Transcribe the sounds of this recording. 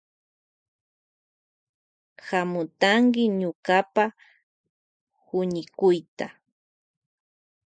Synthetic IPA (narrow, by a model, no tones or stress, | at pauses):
xamʊt̪aŋkɪɲʊkapa | hʊɲɪkʊjt̪a